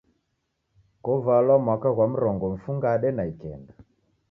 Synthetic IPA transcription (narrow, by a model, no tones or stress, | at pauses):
kɔvalwamwakaɣwam̩ɾɔŋɡɔɱ̩fuŋɡaɗɛnaikɛ̰nda